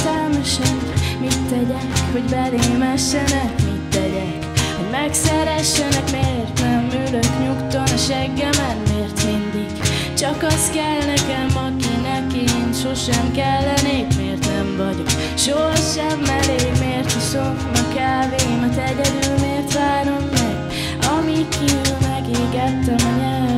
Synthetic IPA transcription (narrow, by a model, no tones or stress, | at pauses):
t̪ɛlmɛʃɛnmit̪ːɛɟɛkho̞ɟbɛleːmɛʃːɛnɛkmit̪ːɛɟɛkhoɟmɛksɛɾɛʃːɛnɛkmeːrt̪nɛmːyːløt̪ɲukt̪o̞neʃɛɡːɛmɛnmeːrt̪mind̪iɡ̥ | t͡ʃɒkɒst̪kɛlnɛkɛmɒkinɛkenʃoʃɛmkɛlːɛneːpmeːrt̪nɛmvɒɟok | ʃoɦɒʃɛbmɛleːmeːrt̪isofɒkaːveːmɒzɛɟɛd̪ylmeːrt̪ʋaːɾo̞mːɛɡ | ɒmikyylmɛɡeːɡɛt̪ːɛmɒɲɛl